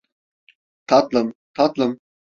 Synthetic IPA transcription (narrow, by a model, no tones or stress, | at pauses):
t̪ʰat̪ləmt̪ʰat̪ləm